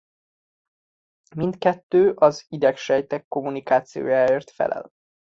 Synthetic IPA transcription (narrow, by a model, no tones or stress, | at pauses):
mint̪kɛt̪ːøːʔɒzid̪ɛkʃɛjt̪ɛkːo̞munikaːt̪sijo̰ːjaːeːrt̪fɛ̰lʔɛ̰l